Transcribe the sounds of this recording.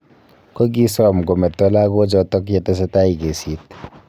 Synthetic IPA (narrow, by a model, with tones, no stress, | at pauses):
ko˦k̬i˦sɔ˦mko˨mɛ˨tːɔ˦la˦ko˦t͡ʃɔ˨tɔ˦kje˨te˦s̬e˦ta˦i˨ke˨si˨˦t